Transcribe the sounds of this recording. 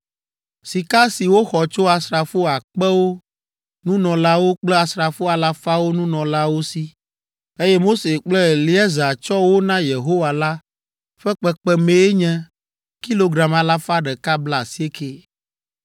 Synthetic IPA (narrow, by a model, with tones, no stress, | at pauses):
si˨ka˦si˨wo˦xɔ˨t͡ʃo˦a˨sɾa˨fo˦a˨k͡pɛ˦wo˦ | nũ˦nɔ̃˨la˦wo˦k͡plɛ˦a˨sɾa˨fo˦a˨la˦fa˦wo˦nũ˦nɔ̃˨la˦wo˦si˦ | e˦jɛ˦mo˦se˨k͡plɛ˦li˦ɛ˦za˨t͡ʃɔ˦wo˦nã˦je˨ɦo˦wa˨la˦ | ɸɛ˦k͡pɛ˨k͡pɛ˦mẽ˨e˦ɲɛ̃˦ | ki˦lo˨ɡɾa˨ma˨la˦fa˦ɖɛ˨ka˦bla˦˨si˦e˦ke˦